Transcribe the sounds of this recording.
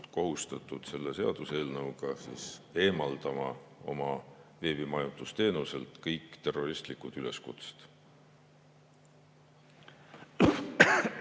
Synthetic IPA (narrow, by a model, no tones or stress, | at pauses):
ko̞ɦust̪ɑt̪ːˑud̪̥se̞lːese̞ɑ̰d̪̥use̞ːlnɤwɡ̥ɑsḭːse̞ːmɑld̪̥ɑmɑo̞̰mɑve̞ːb̥imɑjut̪ust̪e̞ːnuse̞lt̪ˑkɤjkːˑt̪e̞rːo̞rist̪likud̪̥yle̞skṵt̪se̥t̪